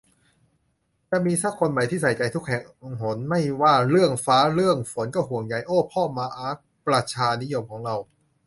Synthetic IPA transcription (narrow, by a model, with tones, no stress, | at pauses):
t͡ɕɛ˧miː˧sa˦˥kʰːo˧nma˨˩jt̪ʰiː˥˩sa˨˩jt͡ɕa˧jt̪ʰu˦˥k̚hɛ˨˩ŋ˧ɦo˩˦nma˥˩jwaː˥˩ɾɯ˥˩əŋfaː˦˥ɾɯ˥˩əŋfo˩˦nkɔ˥˩hu˨˩əŋja˨˩jʔoː˥˩pʰɔː˥˩maː˧ʔaː˦˥ | pɾa˧t͡ɕʰaː˧ni˦˥jo˧mkʰɔː˩˦ŋɾa˧w